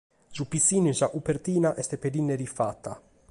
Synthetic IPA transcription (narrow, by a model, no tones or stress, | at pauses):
zupisːiːninsaʔupeɾt̪iːnaʔɛst̪ɛped̪inːɛɾifat̪ːa̰